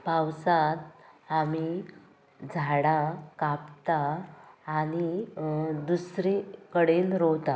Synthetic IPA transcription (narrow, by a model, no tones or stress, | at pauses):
pawsat̪̚ami | d͡zʱaɽakapt̪aː | ñi | d̪usɾikəɽenɾɔwt̪a